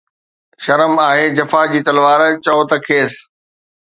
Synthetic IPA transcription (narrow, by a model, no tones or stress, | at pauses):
ʃɐɾəmaːɦed͡ʑɐfad͡ʑiːt̪ɐlʋaːɾt͡ɕɔːt̪ɐkʰeːs